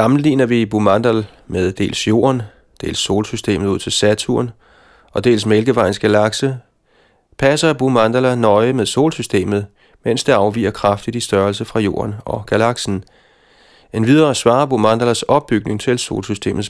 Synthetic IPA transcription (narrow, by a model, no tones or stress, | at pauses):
sɑ̈mn̩liːnɐʋib̥umɑnd̥æl | meðˠd̥e̝̰ːlsjo̝̰ːɐn | d̥e̝̰ːlsːo̝ːlsysd̥ḛːmð̩ˠuð̰ˠt͡sʰe̝lsæt͡sʰuɐn | ɒ̽d̥e̝̰ːlsmelɡ̥əʋɑ̈ɪnsɡ̥ælɑ̈ɡ̥sə | pʰæsɐb̥umɑnd̥ælænɒ̽ɪəmeðˠso̝̰ːlsysd̥e̝̰ːmð̞̩ˠ | men̰sd̥eɑ̈ʊʋḭːɐkʰʁɑfd̥id̥isd̥ɶɐlsəfʁɑ̈jo̝̰ːɐnɒ̽ɡ̥ælɑ̈ɡ̥sn̩ | enʋið̞ˠɐːsʋɑ̈ːɐb̥umɑnd̥ælæsɒ̽b̥̚ːyɡ̥ne̝ŋt͡sʰe̝lso̝̰ːlsysd̥e̝̰ːmð̩ˠs